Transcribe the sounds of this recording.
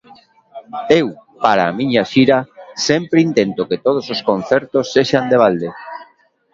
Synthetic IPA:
ewpaɾaːmĩɲaʃiɾasempɾeint̪ent̪oket̪oð̞ososkon̟θeɾt̪osːeʃand̪eβ̞ald̪e

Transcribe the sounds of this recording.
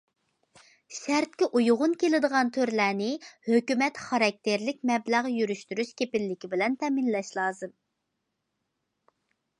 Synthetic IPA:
ʃæɾt̪̚kʲɛʔujʊʁʊnkʲelɪd̪əʁɑnt̪ʰøɾlæːnɪhøkʲymɛt̪χɑɾɑk̚t̪ʰeɾlɪk̚ʲmɛblæʁjyɾyʃt̪yɾyʃkʲepɪlːɪkʲibɪlɛnt̪ʰɛminlɛʃlˠɑːzɨm

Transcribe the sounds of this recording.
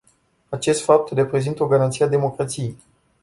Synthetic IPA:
at͡ʃe̞st̪fap̚t̪re̞pɾe̞zint̪əo̞ɡaɾant̪siead̪e̞mo̞kɾat̪sijej

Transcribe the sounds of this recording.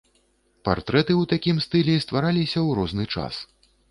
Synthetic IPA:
pa̰rt̪ɾɛt̪ɨwt̪akʲimst̪ɨlʲɛst̪vaɾalʲisʲɐwɾɔznɨt͡ʂa̰s

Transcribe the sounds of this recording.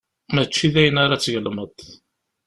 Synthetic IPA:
mæt͡ʃːiðæjənaɾat͡sːʝəlməd̪ˤ

